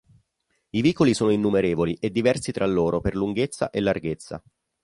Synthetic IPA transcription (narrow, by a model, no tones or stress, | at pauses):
iviːkolisoːnoinːumeɾeːvoliʔed̪ːivɛrsit̪ɾʔalːoːɾʔoperluŋɡet̪sːa̰ʔelːarɡet̪sːa̰